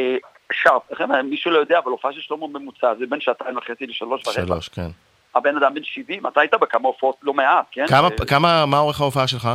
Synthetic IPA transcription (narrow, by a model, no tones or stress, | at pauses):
e | ʃaʁfeχememiʃulojo̞d̪eaːvalofaaʃejɛʃlommemut͡sazebenʃaat̪aimvaχet͡siliʃalo̞ʃaʁealo̰ʃkḛn | abenad̪ambenʃivimat̪ait̪abekamaofaot̪lo̞meatkenkamakamamaoʁeχaofaaʃelχa